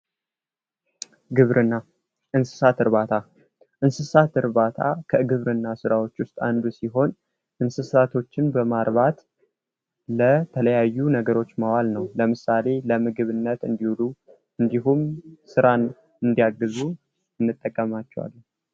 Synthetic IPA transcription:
ɡɨβɾɨnːa | ʔɨnsɨ̥sat̪ɨɾβat̪ʰa | ʔɨnsɨsat̪ɨɾβat̪ʰa̰kʰəɡɨβɾɨnːasɨɾawo̞t͡ʃːwʊst̪ʼa̰nd̪usiɦo̞n | ʔɨnsɨsat̪ʰo̞t͡ʃːɪnbəmaɾβat̪ | lət̪ʰələjajːunəɡəɾo̞t͡ʃːmawalnəwləmɨsale̞ləmɨɡɨβɨnːət̪ɨ̰nd̪ihulu | ɨnd̪iɦumsɨɾan | ɨnd̪ijaɡɨzu | ɨnːɨt̪ʼːəkʼːəmat͡ʃːɛwa̰lː

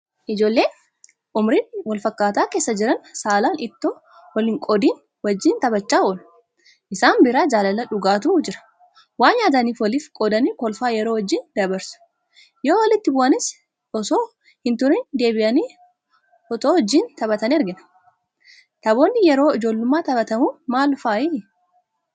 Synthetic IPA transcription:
ʔɪd͡ʒo̞ːlːe̞ː | ʔʊmɾɪnwɐlfɐkːaːt̪aːke̞ːsːɐd͡ʒɪɾɐnsaːlaːnʔɪt̪ːoː | wɐlɪːŋkʼɔd̪iːn | wɐd͡ʒːiːnt̪ɐbɐt͡ʃːaːɔl | ʔɪsaːnbɪɾaːd͡ʒaːlɐlɐᶑʊɡaːt̪̬ʊd͡ʒɪɾɐ̥ | waːnjaːd̪ɐniːfwɔliːfkʼɔd̪ɐniːkɔlfaːjɛɾoːwɐd͡ʒːiːnd̪ɐbɐɾsʊ̥ | joːwɐlɪt̪ːɪbʊʔɐnɪs | ɔsoː | hɪnt̪ʊɾɪnd̪e̞ːbɪʔɐniː | ʔɔt̪oːwɔd͡ʒːiːnt̪ɐbɐt̪ɐniːɛɾɡɪn | t̪ɐbo̞ːnːɪjɛɾo̞ːɪd͡ʒo̞ːlːʊmːaːt̪ɐbɐt̪ɐmuːmaːlʊfaːʔi

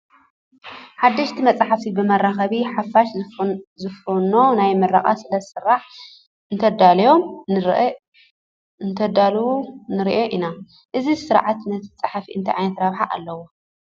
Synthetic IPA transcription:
ħad̪ːɐʃt̪ʰimɐt͡sʼaħafibɨmɐraxɐβiħafaʃzɨfuno̞najmɐrːaχʼa̰sɨlɐ̥sɨrːaħ | ɨnt̪ʰɐd̪aljo̞m | nt̪ʰɐd̪alwunɨɾiʔeʔina | ʔɨzisɨɾʕat̪nɐt̪ʰt͡sʼaħafiʔɨnt̪ʰiʕajnɐt̪ɾaβħaʔalːɐwo

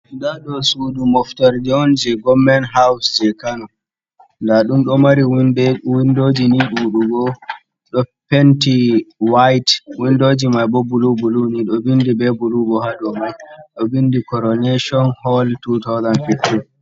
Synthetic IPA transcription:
ndaɗɔsudumɔftaɾd͡ʒɔnd͡ʒɛɡɔmɛnɦawsd͡ʒɛkanɔ | ndaɗumɗɔmaɾiwndɛwindod͡ʒiniɗuɗuɡɔ | ɗɔpentiwajtwindoːd͡ʒimajbɔbulubuluniɗɔbindibɛbulubɔhaɗɔmajɗɔbindikɔɾɔnɛʃɔnhɔltut̪awzanfiftin

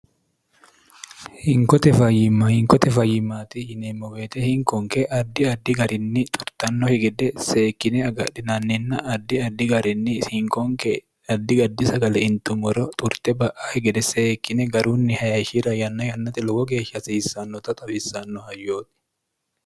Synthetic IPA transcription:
hɪŋkɔt̪ɛfɐjɪmahɪŋkɔt̪ɛfɐjːɪmːaːt̪ɪhɪnemːɔweːt̪ɛhɪŋkɔŋkɛʔɐd̪ːɪɐd̪ːɪɡɐɾʔɪnːɪt̪ʼʊɾt̪ɐnːɔhɪɡɛd̪ɛseːkːɪnɛɐɡɐᶑɪnɐnːɪnːɐʔɐd̪ːɪɐd̪ːɪɡɐɾɪnːɪhɪŋkɔŋke | ɐd̪ːɪɡɐd̪ːɪsɐɡɐlɛɪnt̪ʊmɔɾɔt̪ʼʊɾt̪ɛbɐʔahɪɡɛd̪ɛseːkːɪnɛɡɐɾuːnːɪhɐjɐʃɪɾɐjɐnːɐjɐnːɐt̪ɪlɔɡɔɡe̞ːʃːɐsisːɐnːɔt̪ɐt̪ʼɐfɪsːɐnːɔhɐjːoːt̪ʼɪ̥

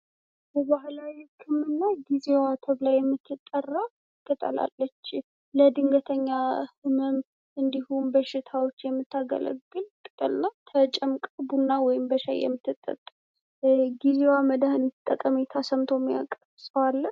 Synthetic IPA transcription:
bəbahlaɨkʰːɨmːɨnːaɡizewat̪ʰəβlajːɛmːɨt̪ʰːɨt̪ʼːərːa | ɡ̥ət̪ʼə̰la̰lːət͡ʃː | ləd̪ɨŋɡət̪ʰəɲːahɨməm | ɨnd̪ihunbəʃɪt̪ʰawo̞t͡ʃːjɛmːɨt̪ʰːaɡə̰lə̰ɡɨlt̪ʼɨ̥kʼɨlnat̪ʰət͡ʃʼəmkʼəbunːawɔjɪmbəʃa̰jɛ̰mːɨt̪ːɨt̪ʼːə̰t̪ʼː | ɡizewaməd̪ahɨnd̪ɨt̪ʼːət̪ʼːəmit̪ʰasəmt̪ʰomːija̰kʼːəβsəwalːə

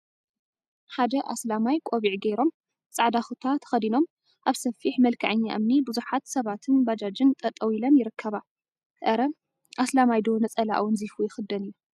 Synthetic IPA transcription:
ħad̪ɐʔa̰slamajkʼo̞βiʕɡɐjɾo̞m | t͡sʼaʕd̪axut̪ʰat̪ʰɐ̥xɐd̪ino̞m | ʔaβsɐfiħmɐlkʰaʕɨɲːa̰ʔɨmnibɨzuħat̪sɐβat̪ʰɨnbad͡ʒad͡ʒɨnt̪ʼɐt̪ʼɐwilɐmjɪɾɨkʰːɐβa | ʔɐɾɐ | ʔaslamajd̪o̞nɐt͡sʼɐla̰ʔwɨnzifujɪxɨd̪ɐnɨjːu

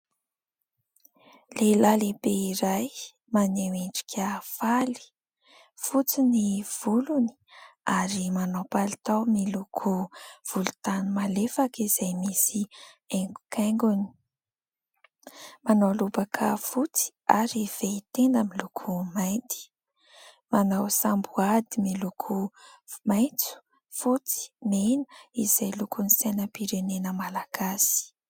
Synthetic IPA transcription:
lelalebeiɾaj | maneweɳɖ͡ʐi̥kʲʰafali̥ | fut͡siniv̥uluni̥aɾimanopalit̪awmilukʰuv̥ulut̪animalefakizajmisieŋɡu̥kʰeŋɡuni̥ | manawlubakʰəfut͡si̥ | aɾiv̥eit̪end̪amilukʰumajnt̪i̥ | manawsambuad̪imilukʰumajt͡su̥ | fut͡si̥menu̥iz̥ajlukunisenəpiɾenenəmalaɡ̥asi̥

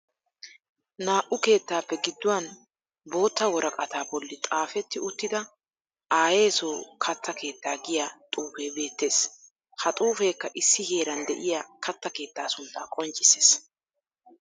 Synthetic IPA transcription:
naːʔʊke̞ːt̪ːaːpːɛɡɪd̪ːʊwɐn | bo̞ːt̪ːɐwɔɾɐkʼɐt̪aːbɔlːɪt̪ʼaːfɛt̪ːɪʊt̪ːɪd̪ɐ | ʔaːje̞ːsoːkʰɐt̪ːɐke̞ːt̪ːaːɡɪjat̪ʼuːfeːbe̞ːt̪ːe̞ːs | hɐt̪ʼuːfe̞ːkːɐʔɪsːɪhe̞ːɾɐnd̪ɛʔɪjaːkʰɐt̪ːɐke̞ːt̪ːaːsʊnt̪ːakʼɔnt͡ʃʼɪses

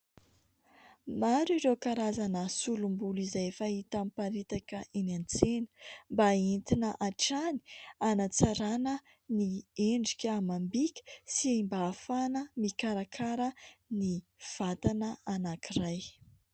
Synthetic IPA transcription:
maɾuiɾewkaɾazanəsulumbulizajefait̪ampaɾit̪akəʔinant͡senə̥mbaint̪inəʔaʈ͡ʂani̥anat͡saɾanə | nieɳɖ͡ʐikʲamambikʲə̥siimbaːfanəmikaɾakʰaɾəniv̥at̪anəanakiraj

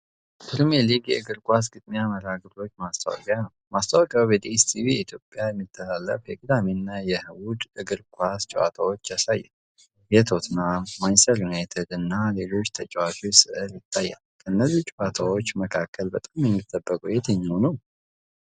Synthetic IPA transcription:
pʰɨɾmeliɡjɛ̰ʔɨɡɨɾkʼʷas̬ɡɨt̪ʼmiaməɾaɡɨɾo̞t͡ʃːmast̪ʰə̰wɔ̰kʼjanəwmast̪ʰəwkʼawjɛd̪est̪ʰiβijɛit̪ʰjo̞pʼːjajɛmːɨt̪ʰːəlalːəfjɛɡɨd̪aminːajɛhɨwud̪ɨɡɨɾkʷʰʼwast͡ʃʼɛwa̰t̪ʰawo̞t͡ʃːjasajːɛ̰ | jɛt̪ʰo̞t̪namajnsəɾjunaet̪ʰed̪ɨnːale̞lo̞t͡ʃːt̪ʰət͡ʃʼɛwat͡ʃʼosɨʔɨɾjɪt̪ʰːajːa̰lkʰəɨnːəzːit͡ʃʼɛwat̪ʰawo̞t͡ʃːməkʰakʰːəlbət̪ʼamjɛmːit̪ːəbːəkʼujɛt̪ʰəɲːawnəw

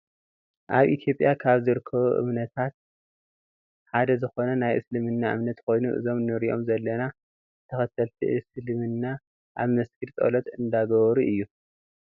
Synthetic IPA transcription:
ʔaβʔit̪ʰjo̞pʼjakʰaβzɨɾɨkʰːɐβuʔɨ̰mnɐt̪ʰat̪̚ | ħad̪ɐzɨxo̞nɐnajʔɨslɨmɨnːaʔɨ̰mnɐt̪kʰo̞jnuʔɨ̰zo̞mnɨɾiʔo̞mzɐlːɐna | t̪ʰɐxɐt̪ɐlt̪ʰiʔɨslɨmɨnːa | ʔaβmɐskiɾt̪ʼo̰lɐt̪ʼɨnd̪aɡɐβɐɾuʔɨjːu

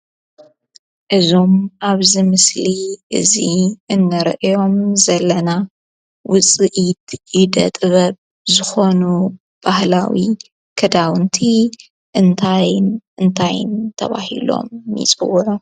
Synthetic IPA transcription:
ʔɨzo̞maβzɨmɨsliʔɨ̰ziɨnːɨɾ̰ʔjo̞mzɐlːɐna | wʊt͡sʼɨʔit̪jɪd̪ɐ̰t̪ʼɨβɐβ | zɨxo̞nu | b̥ahlawi | kʰɐd̪awɨnt̪ʰi | ʔɨnt̪ʰajnɨnt̪ʰajɪ̰nt̪ʰɐ̰βa̰hḭlo̞̰mːḭt͡sʼɨwʊʕu

